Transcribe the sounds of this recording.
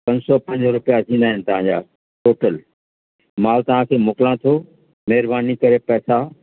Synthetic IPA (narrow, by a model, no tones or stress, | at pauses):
pɐ̃ɲd͡ʑsɔpɐ̃ɲd͡ʑɾʊpijazʱĩːnd̪aːɦɪnɪ̆t̪ɐʋ̤ãɲd͡ʑa̰ː | ʈoːʈəl | maːlt̪ɐʋ̤ãkʰeːmʊːkɪlãt̪ʰo | mɛɦɪɾbaːnikɐɾepɛːsa